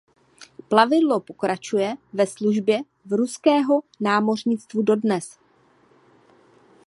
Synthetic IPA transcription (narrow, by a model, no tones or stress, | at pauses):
plavɪdlo̞po̞kɾat͡ʃujɛvɛsluʒbjɛ | vɾuskɛːɦo̞naːmo̞rɲɪt͡st̪vudo̞dnɛs